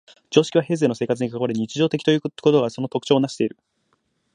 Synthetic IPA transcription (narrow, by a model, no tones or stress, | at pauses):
d͡ʑo̞ːɕi̥kʲiβaɦe̞ːzeːno̞se̞ːkat͡sɨɲ̟ikakaβaɾɯ̟ɲ̟it͡ɕiʑo̞ːt̪e̞kʲt̪o̞jɯko̞t̪o̞ɡaso̞no̞t̪o̞kɯ̥t͡ɕo̞ːnaɕi̥t̪e̞iɾɯ̟